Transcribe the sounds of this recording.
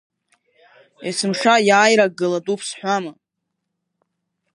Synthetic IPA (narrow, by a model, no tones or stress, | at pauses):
jasɨmʂajaːjɾak̚ɡɨlatʼupʰsħʷama